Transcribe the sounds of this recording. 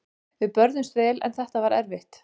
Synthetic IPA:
vɪpœɾðʏmst̪ɾɛːlɛ̰nθɛht̪avaɾɛ̰ɾvɪht̪

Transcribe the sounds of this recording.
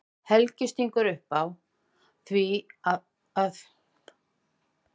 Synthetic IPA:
hɛlcɪst̪iŋkʏɾʏhpaw | θvia | aθ

